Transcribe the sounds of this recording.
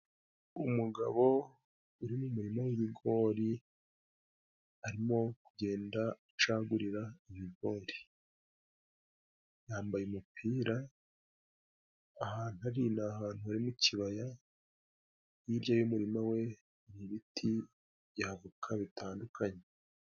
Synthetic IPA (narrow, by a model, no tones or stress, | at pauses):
umuɡaβo̞ | uɾimumuɾimawiβiɡo̞ːɾi | aɾimo̞kuɟe̞ːnda | t͡ʃaːɡuɾiɾaiβiɡo̞ːɾi | jaːmbajemupʰiːɾa | haːn̥uaɾinahaːn̥huaɾimuciβaja | jiɾjajumuɾimawe̞ | ɾiβitʰi | βjavukʰaβitʰaːndukʰaɲe